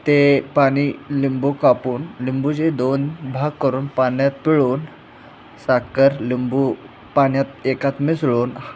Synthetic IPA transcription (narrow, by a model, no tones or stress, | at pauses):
t̪epaɽ̃ilimbukapuːnlimbud͡ʑed̪onbʱaɡ̚kːəɾuːnpanjat̪̚piɭuːn | sakəɾlimbu | paɳjat̪ekat̪misɭuːn